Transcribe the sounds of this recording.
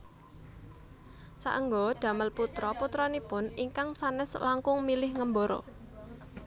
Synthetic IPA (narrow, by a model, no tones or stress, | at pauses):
sa̰ʔəŋɡoɖ̪̥ä̤məlput̪ɾɔput̪ɾɔnipʊniŋkaŋsanɛslaŋkʊŋmilɪhŋəmboɾo̰